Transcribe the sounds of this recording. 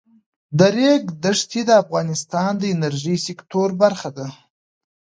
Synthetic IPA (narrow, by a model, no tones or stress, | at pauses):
d̪əɾeɡd̪əʂt̪ʰid̪əafɣɑnɪst̪ɑnd̪əɪnaɾʒisɪkt̪oɾbaɾxad̪a